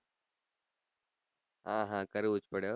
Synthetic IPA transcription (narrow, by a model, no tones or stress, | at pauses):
ɦãːɦãːkɐɾʊt͡ʃpəɽjoː